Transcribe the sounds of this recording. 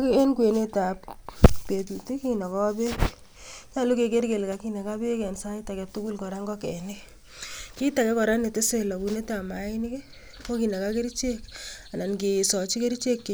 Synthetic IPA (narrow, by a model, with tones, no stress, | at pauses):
ke˦nkwe˨ne˦ta˨ppe˨t̬u˨ti˦ki˦na˨kɔ˦a˦be˦k | t͡ʃa˦˨lu˦ke˨ke˦ɾke˨lka˨ki˦ne˨ka˦be˦kɛ˨nsa˦i˦ta˨kɛ˨tu˦ku˦lkɔ˨ɾa˦ŋɡɔ˦kɛ˨ne˦ | ki˦ta˨kɛ˦kɔ˨ɾa˦ne˨te˦se˦lɔ˨bu˨ne˦ta˨ma˨˦i˦ni˦ke˦ | ko˦ki˨ne˨ka˦ke˦ɾi˦t͡ʃe˦ka˨na˨nɡe˨sɔ˨t͡ʃi˦ke˦ɾi˦t͡ʃe˦kːe˨